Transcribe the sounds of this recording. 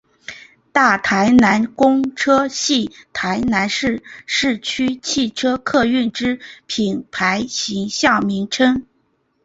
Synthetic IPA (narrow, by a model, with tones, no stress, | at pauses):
t̪a˥˩t̪ʰa˧˥ɪna˧˥nkʊ˥ŋʈ͡ʂʰɤ˥ɕi˥˩t̪ʰa˧˥ɪna˧˥nʂɻ̩˥˧ʂɻ̩˥˩t͡ɕʰy˥t͡ɕʰi˥˩ʈ͡ʂʰɤ˥kʰɤ˥˧y˥˩nʈ͡ʂɻ̩˥pʰi˨˩npʰa˧˥ɪɕi˧˥ŋɕjɑ˥˩ʊmi˧˥ŋʈ͡ʂʰɤ˥ŋ